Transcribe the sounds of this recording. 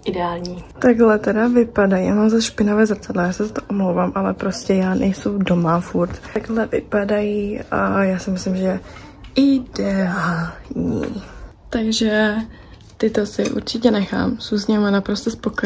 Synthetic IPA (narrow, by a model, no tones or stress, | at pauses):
ʔɪdɛaːlɲiːt̪aɡlɛt̪ɛdavɪpadajjaːmamzaʃpɪnovɛːzrat͡sadlɛjaːsɛzat̪oʔomlowvaːmʔalɛpɾo̞scɛjaːnʔɛjsowdo̞mafuɾt̪aɡɦlɛvɪ̰padajiajaːsɪmɪslɪmʒɛ | ɪdɛalɲḭː | t̪aɡʒɛ | t̪ɪt̪o̞sɪʔṵɾt͡ʃɪcɛnɛxa̰ːmsuːzɲɛmɛnapɾost̪ɛspoko